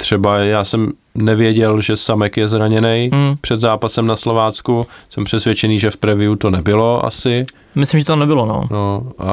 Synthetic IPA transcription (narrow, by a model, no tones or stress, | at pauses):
t̪r̥ɛbajaːsɛm | nɛvjɛɟɛlʒɛsamɛkjɛzɾaɲɛnɛjpr̥ɛd̪zaːpasɛmnaslovaːt͡skusɛmpr̥ɛsvjɛt͡ʃɛniːʒɛfpɾɛvɪut̪o̞nɛbɪlo̞ʔa̰sɪ | mɪslimʒɛt̪onɛbɪlono̰noa̰